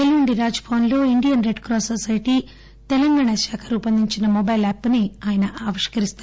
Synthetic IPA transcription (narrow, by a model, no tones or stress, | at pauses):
eluɳɖiɾaːd͡ʒpʰoːnlo̞ːiɳɖijɐnɾe̞ɖkɾɔːsosɐjʈi | t̪ɛlɐŋɡaːɳɐʃaːkʰɐɾupɐnd̪iɲt͡ʃinɐmɔbɐjlɛːpːniaːjɐnɐʔaːʋɐʂkɐɾist̪aː